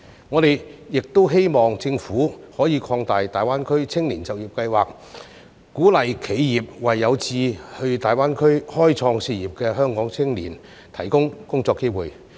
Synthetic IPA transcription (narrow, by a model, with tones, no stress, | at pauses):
ŋɔː˨˧ɾe˨jjɪ˨k̚t̪o˥wɦe˥jmɔː˨ŋt͡sɪ˧ŋfuː˨˥hɔː˨˥jiː˨˧kʰɔː˧ŋt̪aː˨jt̪aː˨˩jwaː˥nkʰɵ˥ɥt͡sʰɪ˥ŋliː˨˩nt͡sɐ˨˩wjiː˨˩p̚kɐ˧jwaː˨˩k̚ | kːuː˨˥lɐ˨jkʰe˨˥jjiː˨p̚wɐ˨jːɐ˨˧wt͡siː˧hɵ˧ɥt̪aː˨jwaː˥nkʰɵ˥ɥhɔː˥jt͡sʰɔː˧ŋsiː˧jiː˨p̚kɛː˧ɦœː˥ŋkɔː˨˥ŋt͡sʰɪ˥ŋliː˨˩n | t̪ʰɐ˨˩jkʊ˥ŋkʊ˥ŋt͡sɔː˧kːe˥jwuː˨˩j